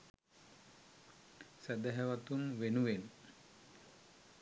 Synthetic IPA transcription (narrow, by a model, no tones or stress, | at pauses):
sæd̪æɦɛʋat̪unʋenuʋen